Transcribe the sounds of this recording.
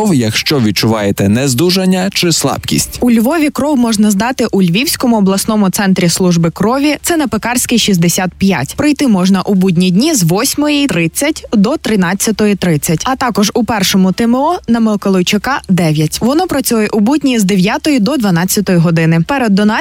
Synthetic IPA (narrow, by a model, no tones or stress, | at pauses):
ɔwjɐkʃt͡ʃɔʋʲid̪̚t͡ʃʊʋɑjet̪ɛnɛzd̪uʒɐnʲːɐt͡ʃɪslˠɑ̰bkʲḭsʲtʲulʲʋɔʋʲikɾɔwmɔʒnɐzd̪ɑt̪ɪʔulʲʋʲiwsʲkɔmʊɔblˠɐsnɔmʊt̪sɛnt̪ɾʲislˠuʒbɪkɾɔʋʲit̪sɛnɐpekɑrsʲkijʃizd̪esʲat̪̚pʲjatʲpɾɪjt̪ɪmɔʒnɐʔubudʲnʲidʲnʲizʋɔsʲmɔjit̪ɾɪt͡sʲːɐtʲd̪ɔt̪ɾɪnɑt͡sʲːɐt̪ɔjit̪ɾɪt͡sʲːɐtʲɐt̪ɑkɔʒʊpɛrʃɔmʊt̪ɪmeɔnɐmelˠkɔlˠɔjt͡ʃɪkɑd̪ɛʋʲjɐtʲʋɔnɔpɾɐt͡sʲujɛʔubudʲnʲizd̪eʋʲjat̪ɔjid̪ɔd̪ʋɐn̪ɑt͡sʲːɐt̪ɔjiɦɔd̪ɪnɪpɛɾɛd̪ːɔnɑ